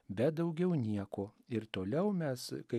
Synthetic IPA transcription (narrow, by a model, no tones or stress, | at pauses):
bʲɛt̪d̪ɐʊɡʲɛʊnʲiɛkoːɪɾt̪oːlʲɛʊmʲɛskɐɪ